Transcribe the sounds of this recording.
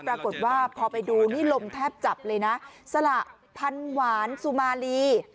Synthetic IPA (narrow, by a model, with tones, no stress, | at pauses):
pɾaː˧ko˨˩t̪̚waː˥˩pʰɔː˧pa˧jduː˧niː˥˩lo˧mt̪ʰɛː˥˩p̚t͡ɕa˨˩p̚lɤː˧jna˦˥sa˧la˨˩ʔ | pʰa˧nwaː˩˦nsu˨˩maː˧liː˧